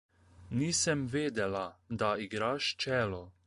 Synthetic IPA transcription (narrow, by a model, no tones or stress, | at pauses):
niːsəmʋeːd̪ɛlad̪aiɡɾaːʃt͡ʃɛːlɔ